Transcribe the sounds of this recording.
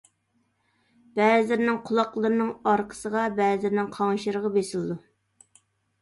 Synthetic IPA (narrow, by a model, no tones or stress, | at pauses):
b̥ɛːzɪɾnɪŋqʰʊlˠɑqlˠəɾɨnɨŋɑɾqʰə̥səʁɑbɛːzɪɾnɪŋqʰɑŋʃiɾəʁəbesɪlˠɨd̪u